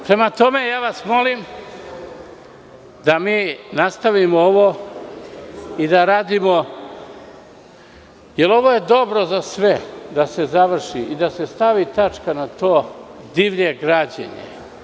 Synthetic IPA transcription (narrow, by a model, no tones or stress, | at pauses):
pɾe̞mat̪o̞me̞jaːʋasmo̞lim | d̪amiːnast̪aʋimooʋo | id̪aɾaːd̪imo | je̞lo̞ʋoje̞d̪o̞bɾo̞zasʋe̞d̪ase̞zaʋr̩ʃiʔid̪ase̞st̪aʋit̪at͡ʃkanat̪o̞ːd̪iʋʎe̞ɡɾad͡ʑḛɲḛ